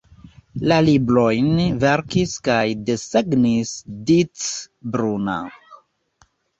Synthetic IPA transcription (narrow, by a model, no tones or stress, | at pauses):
lalibɾo̞jnve̞ɾkiskajdeseɡnisdit͡s | bɾuna̰